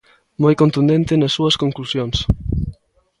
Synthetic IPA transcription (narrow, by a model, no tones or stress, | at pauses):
mojkont̪und̪ent̪ɪnɐsːuɐskoŋklusjoŋs